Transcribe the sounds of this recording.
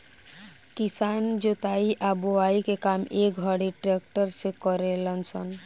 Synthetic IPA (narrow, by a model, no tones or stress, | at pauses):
kisand͡ʒot̪aiʔaboaikekamek̚ɡʱəɽiʈɾek̚ʈəɾsẽkəɾelənsən